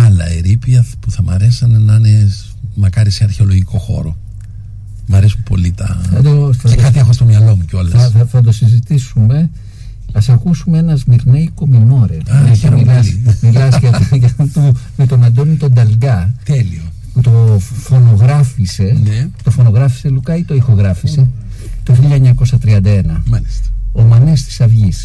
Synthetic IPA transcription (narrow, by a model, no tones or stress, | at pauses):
ɐlɐ̰eɾipiɐpuθɐmɐɾesisɐnɐnɐne | mɐkɐɾiseɐɾçeo̞loʝiko̞xo̞̰ɾo | mɐɾesumpo̞̰lit̪ɐɐd̪ooθɐekɐt̪iexost̪omɲɐlo̞muceo̞lɐsɐθɐd̪o̞sizit̪isume̞ | ɐsɐkusumeenɐzmiɾnejko̞minoɾeɐeɾoilsmilɐskɐt̪ʝɐt̪umet̪o̞nɐnd̪onit̪o̞nd̪ɐlɡɐt̪elio | put̪ofo̞no̞ɣɾɐfise̞net̪o̞fo̞no̞ɣɾɐfi̥selukɐit̪o̞ixo̞ɣɾɐfise̞ | t̪o̞çiʎɐeɲɐko̞sɐt̪ɾiɐnd̪ɐe̞nɐmɐisomɐnest̪i̥sɐvʝis